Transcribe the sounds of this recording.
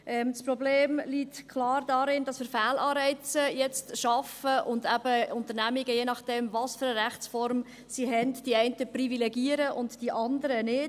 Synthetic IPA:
ʔɛmspɾɔbleːmlitkʰlɑːɾdɑɾɪndɑsfɪɾfæːlɑːɾɛɪt͡səjɛt͡stʃɑfəʔʊndæb̥əʊntəɾnæmiɡəjeːnɑχd̥ɛmvɑsføɾəɾæχt͡sfɔɾm | siɦɛndd̥iɛɪntəprivilɛɡiəɾəʔʊntd̥iʔɑndəɾənɪd

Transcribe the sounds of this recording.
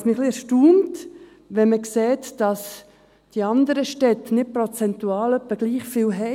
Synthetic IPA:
smɪχliɛɾʃtuːmt | ʋɛnməkseːtd̥ɑs | d̥iɑndəɾəʃtɛtːnɪt̚pɾot͡sɛntuɑːlœpːəɡ̥liːχfiːlɦɛ

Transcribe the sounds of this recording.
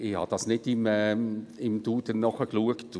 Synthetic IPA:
ɪhɑ̰ːd̥ɑsnɪdɪmɛɪmd̥̪uːd̪ənnːɔχəkluəkt

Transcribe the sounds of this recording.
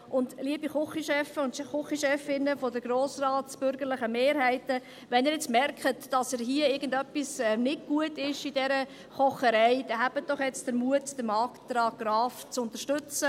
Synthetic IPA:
ʔʊndliəbiχʊχiʃɛfəʊntχʊχiʃɛfɪnəfodəɡ̥ɾoːsrɑːtsb̥ʏɾɡəɾlɪχəmeːɾhæɪtə | ʋɛniːɾjɛt͡stmɛrkχətd̥ɑsəɾɦiəɪɾɡən̩dœpːisɛnɪdɡ̥uətɪʃidɛɾə | χɔχəɾɛɪd̥ɛɦæbət̚d̥ɔχjɛt͡std̥əɾmuətd̥əmɑːktdɾɑːɡ̥ɾɑːft͡sʊnt̪əɾʃtʏt͡sə

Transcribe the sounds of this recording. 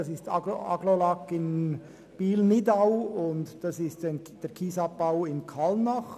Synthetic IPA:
ɑsɪstɑ̰ɡɑ̰ɡlolɑkːɪn | b̥iːlnɪdaʊʊndd̥ɑsɪstn | d̥ɛːɾkʰiːsɑp̚b̥aʊɪnkʰɑlnɑχ

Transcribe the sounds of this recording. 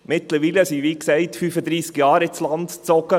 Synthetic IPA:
mɪtləɾʋiːləsiːʋiːksɛɪtfyfəd̪ɾiːskjɑːɾɪslɑndt͡sɔɡə

